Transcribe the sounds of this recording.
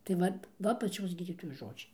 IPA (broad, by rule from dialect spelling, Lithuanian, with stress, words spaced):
tɐɪ ˈʋɐt ˈʋɐ pɐˈt͡ʃʲoːs ˈɡʲiːdʲiːtoːjoːs ˈʒoːd͡ʒʲɛɪ